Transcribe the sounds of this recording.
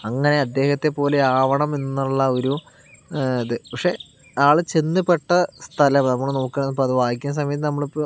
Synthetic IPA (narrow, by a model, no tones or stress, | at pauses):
ɐŋːɐne̞ɐd̪ːe̞ːhɐt̪ːe̞pːo̞ːleaːʋɐɳɐmenːnːuɭːɐo̞ɾu | ɐðɨpɐkʂe̞ | aːɭɨt͡ɕenːɨpːeʈːɐst̪ʰɐlɐmnɐmːɐɭno̞ːkːeɳɐnːpoɐðɨʋaːɦikʲːunɐs̬ɐmɐjɐt̪̬ːɨnɐmːɐɭ